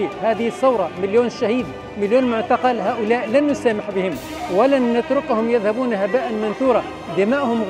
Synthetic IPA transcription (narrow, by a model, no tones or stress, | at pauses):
ihaːðɪhɪsːɑwɾˤɑmɪljoːnʃːahiːd̪ | mɪljoːnmʊʕt̪ɑqɑlɦaːʔʊlaːʔlanːʊsaːmɪħbɪhɪm | wɪlanːʊt̪ɾʊkhʊmjɪðhabuːnhabaːʔanmɪnθuːɾˤɑ | d̪ɪmaːʔhʊmɣ